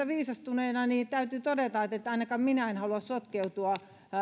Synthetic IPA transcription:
æʋiːsɑst̪uneːnɑniːt̪æyt̪yːt̪odet̪ɑet̪et̪ːɑinɑkɑmminæenhɑluɑssot̪keut̪uɑ

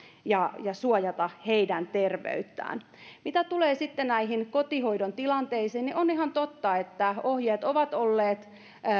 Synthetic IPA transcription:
jɑjɑsuojɑt̪ɑheidænt̪erʋḛyt̪ːæ̰ːn | mit̪æt̪uleːsit̪ːenæiɦinkot̪ihoidont̪ilɑnt̪eisiːnniʔoniɦɑnt̪ot̪ːɑet̪ːæohjeːt̪oʋɑt̪olːeːt̪

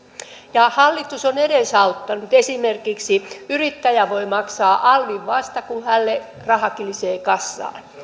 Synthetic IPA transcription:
jɑhɑlːit̪usoneɾesɑut̪ːɑnut̪esimerkiksiyrit̪ːæjæʋoimɑksɑːʔɑlʋiʋʋɑst̪ɑkuhælːe | rɑhɑkiliseːkɑsːɑ̰ːn

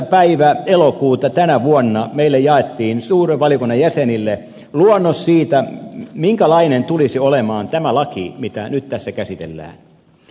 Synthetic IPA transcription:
pæiʋæelokuːt̪ɑt̪ænæʋuonːɑmeilːejɑet̪ːiːnsuːreʋʋɑljokunːɑjæsenilːe | luonːossiːt̪æmiŋkælɑinent̪ulisiolemɑːnt̪æmælɑkḭmit̪ænyt̪t̪æsːækæsit̪ḛlːæ̰ːn

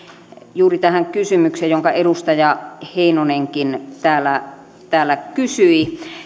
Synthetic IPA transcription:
juːrit̪æhæŋkysymykseːjjoŋkɑeɾust̪ɑjɑheˑinoneŋkint̪æːlːˑæ | t̪æːlːækysyi

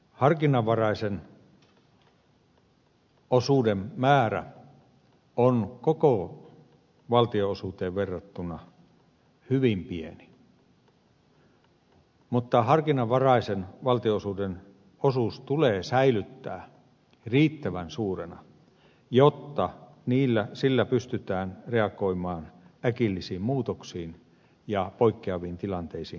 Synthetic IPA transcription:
hɑrkinˑɑʋʋɑrɑˑisen | osuːdemmæːɾæ̰ | onkoko | ʋɑlt̪ioosuːt̪eːʋʋerːɑt̪ːunˑɑ | hyʋimpieni | mut̪ːɑhɑrkinɑʋʋɑrɑisenʋɑlt̪ioosuːden | osuːst̪uleːsæilyt̪ːæ̰ː | riːt̪ːæʋænsuːrenɑ̰ | jot̪ːɑ | niːlːæsilːæpyst̪yt̪æːnreɑkoimɑːnækilːisiːmmuːt̪oksiːn | jɑpoikːeɑʋiːnt̪ilɑnt̪eisiː

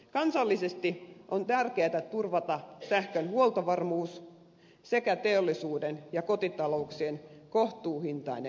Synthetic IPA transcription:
kɑnsɑlːisest̪iʔont̪ærkeːt̪æt̪urʋɑt̪ɑsæhkønhuolt̪ɑʋɑrmuːs | sekæt̪eolːisuːdenjɑkot̪it̪ɑlouksienkoht̪uːhint̪ɑine

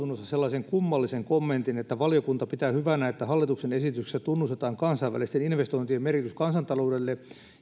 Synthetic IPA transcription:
unːosːɑselːɑseŋkumːɑlːiseŋkomːent̪inet̪ːæʋɑlijokunt̪ɑpit̪æːhyʋænæet̪ːæhɑlːit̪uksenesit̪yksæt̪unːust̪et̪ɑːŋkɑnsɑiʋæ̰list̪eninʋest̪oint̪iemerkit̪yskɑnsɑnt̪ɑloudelːe

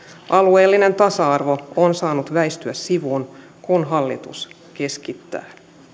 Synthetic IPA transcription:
ʔɑlue̞ːlːine̞nt̪ɑsɑɑrʋo̞onsɑːnut̪ʋæjst̪yæssiʋuːn | kunɦɑlːit̪ṵs | ke̞skit̪ːæ̰ː

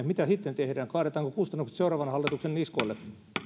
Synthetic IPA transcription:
mit̪æsit̪ːent̪ehdæːŋkɑːɾet̪ɑːŋkokust̪ɑnːukset̪seuɾɑːʋɑnhɑlːit̪uksenniskoilːe

